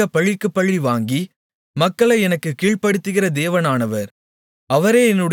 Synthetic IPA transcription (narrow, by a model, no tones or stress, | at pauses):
ɐpɐɭːɪkːɯpːɐɭːiʋaːŋɡi | mɐkːɐɭɐɪɛnɐkːɯkːiːɭpɐɽɯt̪ːɯɣɪrɐd̪eːʋɐnaːnɐʋɐɾ | ɐʋɐɾeːɛnːɯɽɐ